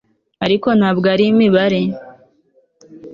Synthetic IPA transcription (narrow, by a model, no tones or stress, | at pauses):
aɾiko̞nhabɡaɾimiβaɾe